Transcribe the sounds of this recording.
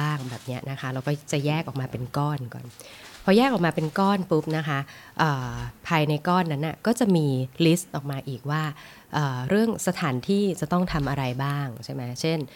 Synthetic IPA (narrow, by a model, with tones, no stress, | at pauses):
aː˥˩ŋbɛː˨˩p̚ni˦˥ɐʔna˦˥kʰa˦˥ɾa˧wkɔː˥˩t͡ɕa˨˩jɛː˥˩k̚ʔɔː˨˩k̚maː˧pe˧nkɔː˥˩nkɔ̰ː˨˩npʰɔ˧˥jɛː˥˩k̚ʔɔː˨˩kmaː˧pe˧nkɔː˥˩npu˦˥p̚na˦˥kʰa˦˥ | ʔɤː˨˩pʰaː˧jna˧jkɔː˥˩nːa˦˥nʔa˧˩kɔː˥˩t͡ɕa˨˩miː˧li˦˥st̪̚ʔɔː˨˩k̚maː˧ʔiː˨˩k̚waː˥˩ | ʔɤː˨˩ɾɯ˥˩əŋsa˧t̪ʰaː˩˦nt̪ʰiː˥˩t͡ɕa˨˩t̪ɔ˥˩ŋt̪ʰa˧mʔa˧ɾa˧jbaː˥˩ŋt͡ɕʰa˥˩jma˦˥t͡ɕʰe˥˩n